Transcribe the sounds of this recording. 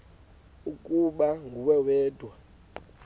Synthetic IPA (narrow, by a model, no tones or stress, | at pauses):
ukʼuɓaŋɡʱuwɛwɛːd̥ʱwa